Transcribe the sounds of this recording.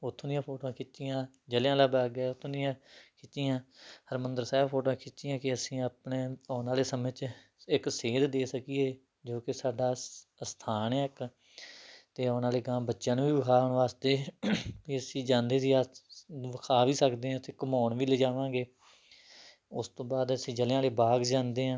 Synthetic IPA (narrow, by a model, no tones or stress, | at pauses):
ʊt̪ʰːõːd̪ɪjãːpʰoːʈoãːkʰɪt͡ʃːɪjãː | d͡ʒəljãːlaːbaːɡɛːʊt̪ʰːõːd̪iãːkʰɪt͡ʃːɪjãːhəɾmənd̪əɾsɛːbpʰoːʈoãːkʰɪtːɪːãːkɪəsĩːap̚ɳeːɔːnaːleːsəmẽt͡ʃɪkseːd̪d̪eːsəkiːeː | d͡ʒoːkɪsaːɖaːst̪ʰaːneːk | t̪eːɔːnaːleːɡãːbətːʃənʋiːʋəkʰaːɦʊɳʋaːst̪eːkiəsĩːd͡ʒãːnd̪eːd̪iːaʋəkʰaːʋiːsəkd̪eːɦãːt̪ʰeːkəmɔːɳʋiːleːd͡ʒaːʋãːɡeː | ʊst̪õːbaːd̪əsĩːd͡ʒəlãːleːbaːɡd͡ʒãːnd̪eːɦãː